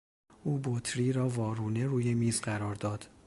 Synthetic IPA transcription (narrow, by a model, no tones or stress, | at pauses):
ʔuːbot̪ʰɾiːɾɒːvɒːɾuːne̞ɾuːjemiːzɢæɾɒːɾd̪ɒːd̪̥